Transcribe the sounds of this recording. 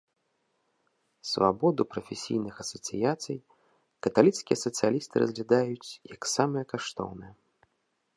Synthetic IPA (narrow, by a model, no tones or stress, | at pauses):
sva̰bɔd̪upɾɐfʲesʲḭjnɨxɐsɐt̪sɨjat̪sɨj | kɐt̪alʲit̪skʲijɛsɐt̪sɨjalʲist̪ɨɾɐ̰zʲlʲad̪ajut͡sʲjɐksamɨjɛkaʂt̪ɔ̰wnɨjɛ